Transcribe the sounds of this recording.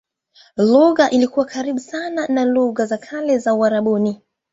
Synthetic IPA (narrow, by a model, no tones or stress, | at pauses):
luɣaʔilikuwakaɾiɓusananaluɣazakʰalɛzauaɾaɓuni